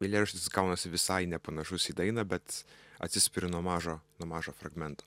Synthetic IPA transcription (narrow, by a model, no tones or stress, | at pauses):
elʲeːɾʲɪʃʲt̪ʲɪsɡɐʊnɐsʲɪʋʲɪsɐɪnʲɛpɐnɐʃʊsʲiːd̪ɐɪnɐbʲɛt̪ɐ̰t̪ʲsʲɪsʲpʲɪɾʲɪnuɔmɑːʒoːnuɔmɑːʒoːfɾɐɡmʲɛnt̪oː